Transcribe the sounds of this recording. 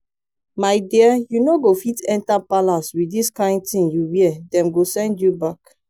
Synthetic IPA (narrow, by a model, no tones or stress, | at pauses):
maɪdiəjunoɡofitɛ̃ntapalaswidiskãɪ̃nd̚tĩnjuwiɛdɛ̃mɡosɛ̃ndjubak